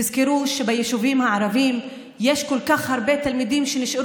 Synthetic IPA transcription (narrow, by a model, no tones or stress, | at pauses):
izkeɾuʃebajeʃuvimhaʕaɾavim | jeʃkolkaχhaɾbet̪almid̪imʃeniʃa